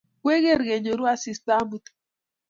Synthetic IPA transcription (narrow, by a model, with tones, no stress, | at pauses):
kwe˦ɣe˦ɾɣe˨ɲo˨ɾu˦a˦si˨st̪a˦mu˨t̪